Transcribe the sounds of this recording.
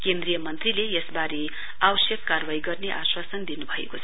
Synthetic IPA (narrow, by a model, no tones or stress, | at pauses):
kend̪rijʌmʌnt̪rilejesbaɾe | abʌsjʌkːarwaiɡʌrneʔaswasʌnd̪inubʱʌḛkot͡sʰʌ